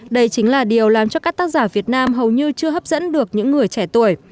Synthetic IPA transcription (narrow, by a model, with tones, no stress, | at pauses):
ɗə˧jt͡ɕï˨˦ŋ̟laː˨˩ɗi˨˩əwlaː˨˩mt͡ɕɔ˧kaː˦˥k̚t̪aː˦˥k̚zaː˧˩vi˨˩ət̚naː˧mɦə˨˩wɲɨ˧t͡ɕɨ˧əɦə˦˥p̚z̥ə̰˧˥nɗɨ˨˩ək̚ɲɨ̰˧˥ŋːɨ˨˩əjt͡ɕɛ˧˩t̪u˧˩əj